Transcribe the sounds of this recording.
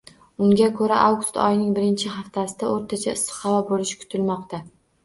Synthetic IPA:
ʊŋɡʲakʰɵɾaʔawɡʊst̪ɒ̰jnɪŋbɪɾɪnt͡ʃʰɪɦaft̪ʰasɪd̪aoɾt̪ʰat͡ʃʰaɪst̪ɨ̥χɑvabolɪʃkʰʊ̥t̪ʰɪlmɒqt̪ʰa

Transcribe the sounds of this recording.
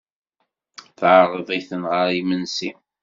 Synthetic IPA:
θʕəɾˤəðˤiθənʁəɾˤimənsi

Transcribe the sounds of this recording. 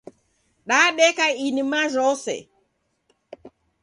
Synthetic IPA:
ɗaɗɛkainimaʒɔsɛ̰

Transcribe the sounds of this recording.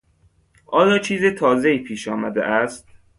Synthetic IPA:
ʔɒːjɒːt͡ʃʰiːzet̪ʰɒːzeiːpʰiːʃɒːmæd̪ḛʔæst̪

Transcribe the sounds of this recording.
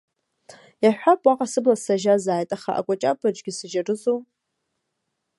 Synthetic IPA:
jaħᶣʷapʼwaqʼasɨblasaʒazaːjtʼaχa̰ʔa̰kʷʼat͡ʃʼapʰad͡ʒʼɡʲɪsɨʒarɨzo

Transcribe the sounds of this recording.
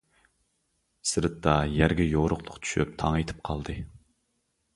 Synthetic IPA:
sɨɾɨt̪ːɑjæɾɡʲɛjoʁɾʊqlˠʊqt̪ʰy̥ʃy̰p̚t̪ʰɑŋɑjt̪ʰɨ̥p̚qʰɑlˠd̪ɨ

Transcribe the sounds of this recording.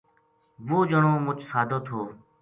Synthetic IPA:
ʋoːd͡ʒəɳoːmʊt͡ʃʰsaːd̪ʱoːt̪ʰoː

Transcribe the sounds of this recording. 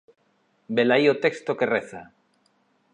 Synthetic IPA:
belajot̪ekst̪oke̞reθa

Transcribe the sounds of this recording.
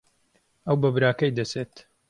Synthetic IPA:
ɐwbɐbɾaːkɐjd̪ɐseːt̪

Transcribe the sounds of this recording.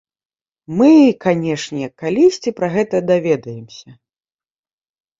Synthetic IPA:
mɨkanʲɛʂnʲɛkːalʲisʲt͡sʲipɾɐɣɛt̪ɐd̪avʲɛd̪ɐjɛmsʲɐ

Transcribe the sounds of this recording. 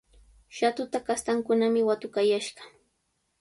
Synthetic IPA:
ʃat̪ʊt̪akast̪aŋkʊnamɪwat̪ʊkajaʃɢɑ

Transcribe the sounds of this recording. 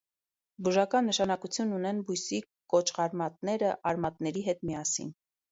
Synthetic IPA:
buʒɑkɑnːəʃɑnɑkut͡sʰjunːunɛnbujsi | kɔt͡ʃʰχɑɾmɑt̪nɛɾəʔɑɾmɑt̪nɛɾiɦɛt̪miɑsḭn

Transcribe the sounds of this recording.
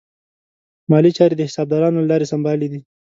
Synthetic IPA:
mɑlit͡ʃɑɾed̪əhɪsɑb̚d̪ɑɾɑnolalɑɾesambɑlid̪i

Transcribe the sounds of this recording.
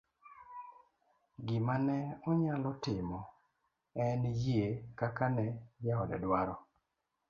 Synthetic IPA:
ɡɪmanɛɔɲalɔtɪmɔ | ɛnjekakanɛjaɔdɛ̰dwaɾɔ

